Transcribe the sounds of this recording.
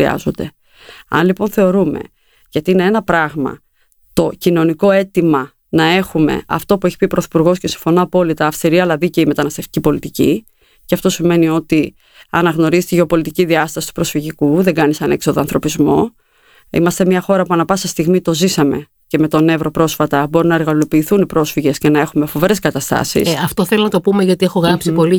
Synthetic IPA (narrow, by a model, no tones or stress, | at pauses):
iɐ̰zo̞nd̪e̞ | ɐ̰nlipo̞nθe̞o̞ɾume̞̰ | ʝɐt̪iine̞e̞nɐpɾɐɣmɐ̰ | t̪o̞cino̞niko̞e̞t̪imɐ | nɐe̞xume̞̰ɐ̰ft̪o̞pue̞çi̥pipɾoθi̥puɾɣo̞sce̞siɱfo̞noɐpo̞lit̪ɐːfst̪iɾiɐlɐðiceime̞t̪ɐnɐst̪e̞ft̪icʲipo̞lit̪icḭ | ceɐft̪o̞sime̞nio̞t̪i | ɐnɐɣno̞ɾizt̪iʝepo̞lit̪iciðiɐst̪ɐsi̥t̪u̥pɾo̞sfiʝikuðe̞ɡɐnisɐne̞kso̞ðoɐnθɾo̞pizmo̞ | ḭmɐst̪emɲɐxo̞ɾɐpuɐnɐpɐsɐst̪iɣmit̪o̞zisɐme̞̰ | ce̞me̞t̪o̞ne̞vɾo̞pɾo̞sfɐt̪ɐbo̞ɾinɐe̞ɾɣɐlo̞piːθunipɾo̞sfiʝe̞scenɐe̞xume̞fo̞veɾe̞skɐt̪ɐst̪ɐ̰sḭsɐft̪oθelonɐt̪o̞pumeʝɐt̪iexoɣɾɐpsipo̞li